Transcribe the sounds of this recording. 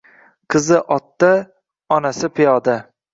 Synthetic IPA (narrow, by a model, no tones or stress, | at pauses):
qʰɨzɪʔɒt̪ːa | ɒnasɪpʰɪjɒd̪a